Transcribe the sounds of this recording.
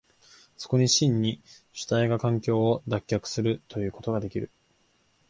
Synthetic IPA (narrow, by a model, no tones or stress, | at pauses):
so̞̥ko̞ɲ̟iɕĩɲːi | ɕɨ̥t̪aiɡakãŋkʲo̞ːod̪akʲːakɯ̟̥sɨɾɯ̟t̪o̞jɯ̟ːko̞t̪o̞ɡad̪e̞kʲiɾɯ̟